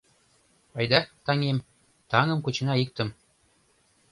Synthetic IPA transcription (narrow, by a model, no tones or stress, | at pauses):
ɑjd̪ɑt̪ɑŋem | t̪ɑŋɤ̆mkut͡ɕɤnɑik̚t̪ə̆m